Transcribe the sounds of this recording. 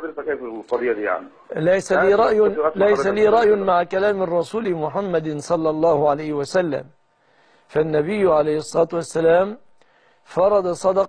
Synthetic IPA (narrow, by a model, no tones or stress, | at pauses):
d̪keːfˤɑd̪jːad̪ija̰ʕni | lajsaiːɾˤɑʔjlajssaliːɾˤɑʔjmaʕkalaːmɑrˤːɑsuːlmʊħamːad̪sˤɑlːɑlˤːɑːhʕalajhɪwasalːa̰m | fanːabɪjːʕalajhɪsˤːɑɑːt̪wasːalaːm | fɑɾˤɑd̪ɑsˤɑd̪ɑ